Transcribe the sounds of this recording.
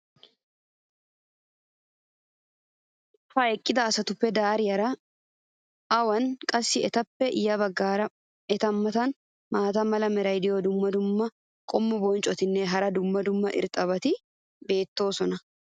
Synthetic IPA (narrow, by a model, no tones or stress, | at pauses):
fɐɛkʼːɪd̪ɐːsɐt̪ʊpːɛd̪aːɾɪjɐɾɐ | ɐwɐnkʼɐsːɪɛt̪ɐpːɛʔɪjɐbɐɡːaːɾɐ | ɛt̪ɐmːɐt̪ɐn | maːt̪ɐmɐlɐmɛɾɐjd̪ɪjoːd̪ʊmːɐd̪ʊmːɐ | kʼɔmːʊbɔːnt͡ʃʼɔt̪ɪnːeːɦɐɾɐd̪ʊmːɐd̪ʊmːɐʔɪ̰ɾt̪ʼɐbɐt̪ɪ | be̞ːt̪ːo̞ːsɔnɐ